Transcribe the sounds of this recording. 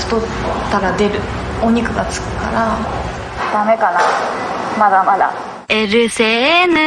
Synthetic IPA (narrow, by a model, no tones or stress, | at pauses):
st̪o | t̪ːaɾad̪e̞ɾɯ̟ | oɲ̟ikɯ̟ɡat͡sɨ̥kɯ̟̥ka̰ɾa | d̪̥ame̞kana | mad̪amad̪a̰ | eɾɯ̟senɯ